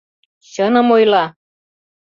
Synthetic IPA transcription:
ɕɤnɤ̆mojlɑ

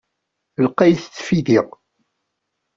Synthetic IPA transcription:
əlqæjθt͡sːfiðiʁ

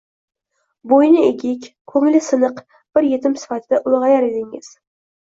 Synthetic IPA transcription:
bojnɪeɡʲɪkʲkʰɵŋɪlɪsɨnɨq | b̥ɪɾje̞t̪ʰɪmsɪ̥fat̪ʰɪd̪aʔʊlˠʁɑjaɾed̪ɪŋɪ̰z̥

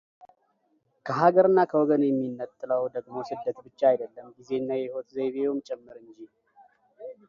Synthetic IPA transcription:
kʰəɦaɡəɾɨnːakʰəwɔɡənjɛmːinːət̪ʼːɨləwd̪əɡmosɨd̪ːət̪bɨt͡ʃːaajd̪əlːəmɡize̞nːajɛhot̪zeβeomt͡ʃʼɛmːɨɾɨɲd͡ʒi

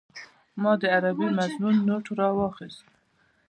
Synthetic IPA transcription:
mɑd̪əaɾabimaznunːoʈɾɑwɑxɪst̪

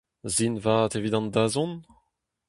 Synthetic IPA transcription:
zinvat̪evid̪ɑ̃nd̪azɔ̃n

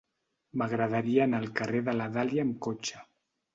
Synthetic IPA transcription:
maɣɾaðaɾianəlˠkareðəlaðaljaemkot͡ʃḁ

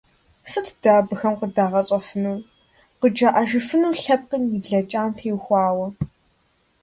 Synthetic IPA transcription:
sɨtʰd̥aːbɨxɐmqədaːʁɐɕʼɐfɨnuː | qəd͡ʒaːʔɐʒɪfɨnuːɬɐp̚qənjiɮɐt͡ʃʼaːmtʰeːwxʷɑːwɐ

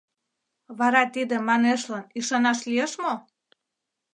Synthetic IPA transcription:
βɑɾɑt̪id̪ĕmɑneʃlɑniʃɑnɑʃlieʃmo

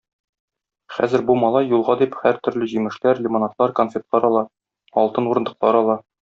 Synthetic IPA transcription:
χæ̰zɘ̆ɾbumɒlˠɑjːulˠʁɑd̪iphæɾt̪ɵ̆ɾlɘʑimɘ̆ʃlæɾlʲɪmonat̪lˠɑɾkonfʲet̪lˠɑɾɒlˠɑ | ɒlˠt̪ɤnuɾɤ̆nd̪ɤ̆qlˠɑɾɒlˠɑ

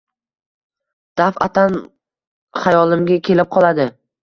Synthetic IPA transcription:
d̪̥afat̪ʰan | χajɒlˠɪmɡʲakʲʰe̞lɪp̚qʰɒlˠad̪ɪ

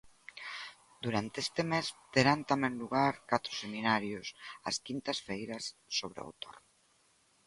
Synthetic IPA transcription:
d̪uɾant̪eest̪emest̪eɾant̪amẽŋluɣaɾkat̪ɾo̥seminaɾjosɐ̰skint̪ɐsfejɾɐsːoβ̞ɾḛo̰t̪o̰r

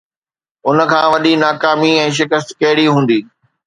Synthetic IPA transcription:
ʊnə̆kʰãːʋɐɗinaːkaːmiɛ̃ːʃ̬ɪkəst̪kɐɦɪɽiɦũːn̆d̪iː

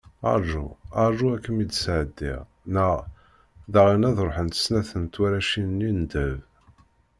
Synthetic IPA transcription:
ɑ̰ɾˤʒṵɑɾˤʒuækːəmid̪sʕəd̪ːḭʁ | næ | ðaʁinæðɾˤoħənt̪ə̥snæθənt̪wæɾæʃinnːind̪əv

